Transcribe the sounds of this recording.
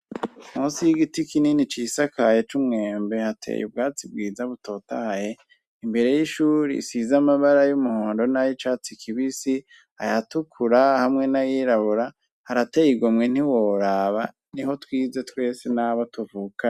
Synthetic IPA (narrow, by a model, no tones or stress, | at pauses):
muːnsijiɡitikininit͡ʃisakʰajet͡ʃumŋe̞ːmbe̞hatʰḛjṵb̚ɡaːt͡sibɡiːzaβuto̞ta̰haje | imbe̞ɾe̞jiʃuːɾḭsizamaβaɾajumuhoːndo̞najit͡ʃat͡sikʰiβisi | ha̰jatukʰuɾahamŋe̞najiːɾaβuɾa | haɾatejiɡomŋen̥iwo̞ɾaβa | niɦo̞twiːze̞twe̞ːsenaβatuvuka